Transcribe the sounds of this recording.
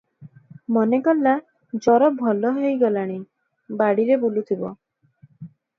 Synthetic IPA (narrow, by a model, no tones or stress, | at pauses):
mɔnekɔlːa | d͡ʒɔɾɔbʱɔlɔɦejɡɔlaɽ̃i | baɽiɾebulut̪ʰibɔ̰